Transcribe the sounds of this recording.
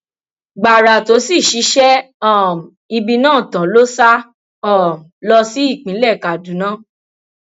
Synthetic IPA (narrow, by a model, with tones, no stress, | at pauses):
ɡ͡ba˨ɾa˨to˨˦si˦˨ʃi˨˧˦ʃɛ˦ | ɔ˦˨m | i˧bi˧nãː˦˨tã˨lo˦sa˦ | ɔ˦˨m˨lɔ˧si˦i˦˨k͡pĩ˨˦lɛ˦˨ka˨dũ˨˦nã˦˨